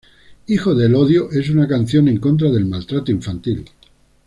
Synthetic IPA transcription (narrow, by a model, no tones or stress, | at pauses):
ixo̞ðe̞lo̞ðjoʔe̞sunakan̟θjo̞nẽ̞ŋkõ̞nt̪̬ɾaðe̞lmalt̪ɾat̪oiɱfant̪il